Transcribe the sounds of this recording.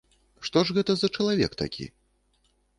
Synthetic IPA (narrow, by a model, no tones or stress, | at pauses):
ʂt̪ɔʐɣɛt̪ɐzɐt͡ʂɐlˠavʲɛ̰kt̪a̰kʲʰḭ